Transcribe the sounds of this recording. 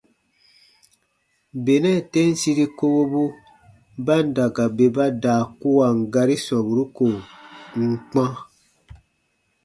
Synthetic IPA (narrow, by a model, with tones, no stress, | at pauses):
be˨nɛ˦˨tẽ˦n˦si˦ɾi˦ko˧bo˦bu˦ | ba˦n˦da˨ɡa˨be˨ba˦daː˨ku˦wa˨ŋ˨ɡa˧ɾi˦sɔ̃˨bu˨ɾu˦ko˨ŋ̩˦k͡pã˦